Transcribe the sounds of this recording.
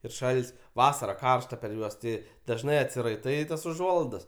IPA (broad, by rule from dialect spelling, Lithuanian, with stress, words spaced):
ɪr ˈʃɐlʲtʲsʲ ˈʋɑːsɐrɐ ˈkɐrʃtɐ pʲɛr ˈjuɔs tʲɪ dɐʒˈnɐɪ ɐtʲsʲɪrɐɪˈtɐɪ tɐs ʊˈʒuɔlˠɐɪdɐs